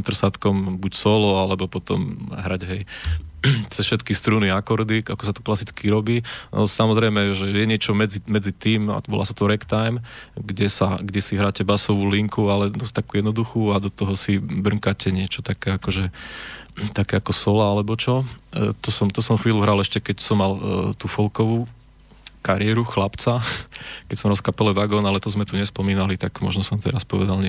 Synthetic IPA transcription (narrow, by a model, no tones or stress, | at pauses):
t̪r̩sat̪kɔmbucsɔlɔalɛbɔpɔt̪ɔ̰mɦɾaɟɦɛj | t͡sɛsfʃɛt̪kist̪ɾuniakɔɾd̪ikakɔsat̪ɔ̥klasit͡skiɾɔbiːɔ̰samɔzɾɛjmɛʒɛjɛɲɪɛt͡ʃɔmɛd͡zimɛd͡zit̪iːma̰ʋɔ̰la̰ːsḁt̪ɔɾɛkt̪ajmɡɟɛsaɡɟɛsiɦɾaːcɛbasɔʋuːliŋkualɛd̪ɔst̪akuːjɛd̪nɔd̪uxuːad̪ɔt̪ɔɦɔsibr̩ŋkacɛɲɪɛt͡ʃɔt̪akɛːakɔʒɛ | t̪akɛːakɔsɔlaalɛbɔt͡ʃɔt̪ɔsɔmt̪ɔsɔmxʋiːluɦɾalɛʃcɛkɛcsɔmːalt̪uːfɔlkɔʋuː | kaɾɪɛɾuxlapt͡sakɛcsɔmɾalˠskapɛlɛʋaɡɔːnalɛt̪ɔzmɛt̪uɲɛspɔmiːnalit̪aɡmɔ̰ʒnɔsɔmt̪ɛɾaspɔʋɛd̪alɲɛ